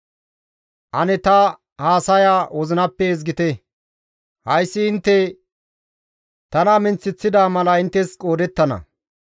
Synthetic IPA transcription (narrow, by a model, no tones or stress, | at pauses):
ʔɐnɛt̪ɐ | haːsɐjaːwɔzɪnɐpːɛɛzɡɪt̪ɛ | hɐjsːɪɪnt̪ːɛ | t̪ɐnɐmɪnt͡sːɪt͡sːɪd̪aːmɐlɐɪnt̪ːɛskʼo̞ːd̪ɛt̪ːɐnɐ̰